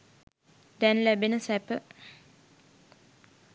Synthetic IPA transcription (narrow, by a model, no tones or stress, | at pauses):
d̪ɛnlæbenəsæpə